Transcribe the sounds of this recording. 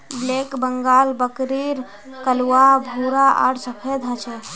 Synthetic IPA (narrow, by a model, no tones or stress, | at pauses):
bleːkbəŋɡalbəkɾiɾ | kəlwabʱuɾaʔa̰ɽsəpʰed̪ʱɦət͡ʃʰe